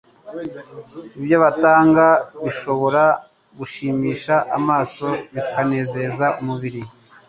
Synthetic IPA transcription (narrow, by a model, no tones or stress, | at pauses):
ibjoβataːŋɡaβiʃo̞βo̞ɾa | ɡuʃiːmiːʃaʔamaːso̞βikane̞ːze̞zaumuβiɾi